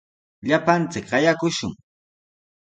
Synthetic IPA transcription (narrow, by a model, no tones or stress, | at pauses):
ʎapant͡sɪkɢɑjakʊʃʊŋ